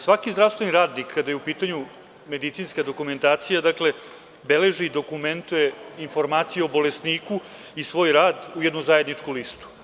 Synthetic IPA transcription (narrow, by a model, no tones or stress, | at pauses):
sʋakizd̪ɾaʋst̪veniɾaːd̪nikːad̪ajeupiːt̪aɲu | me̞d̪it̪sinskad̪o̞kume̞nt̪aːt̪sijad̪akle̞ | bele̞ʒiid̪o̞kument̪ujeinfo̞ɾmaːt̪sijeobo̞le̞sniːku | isʋo̞ːjɾaːd̪ujed̪nuzaje̞d̪nit͡ʂkulist̪u̥